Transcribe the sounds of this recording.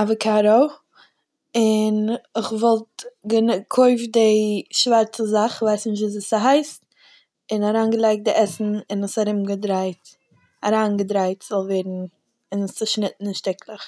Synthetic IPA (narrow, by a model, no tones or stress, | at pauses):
avəkaɾoʊ | ɪnɪχvɔlˠtɡənkʰoɪfdɪʃvaɾt͡səzaχvaɪsnɪʃ̬tvuːs̬əsəɦaɪst | ɪnaɾaːnɡəlˠaɪk̚dɪʔɛsn̩ɪnʊsaɾɪmɡədɾaɪt | aɾaːnɡədɾaɪtz̥ɔlˠvɛɾn̩ | ɪnst͡səʃnɪt̚n̩ɪnʃtɪklˠəχ